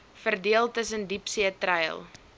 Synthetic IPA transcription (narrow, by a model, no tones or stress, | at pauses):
fərdiəlˠtəs̬əndipsiətrəjə̰lˠ